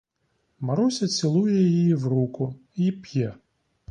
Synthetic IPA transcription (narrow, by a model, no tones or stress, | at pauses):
mɐɾusʲɐt͡ssʲilˠujɛjijiwrukʊ | ipjɛ